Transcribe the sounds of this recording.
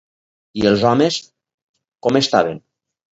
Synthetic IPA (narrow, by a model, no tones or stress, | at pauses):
ielˠzɔmes | kɔmest̪a̰βen